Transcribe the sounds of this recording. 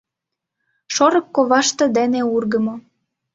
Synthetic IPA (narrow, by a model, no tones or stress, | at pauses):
ʃoɾɤ̆kːoβɑʃt̪ɤ̆d̪eneurɣə̆mo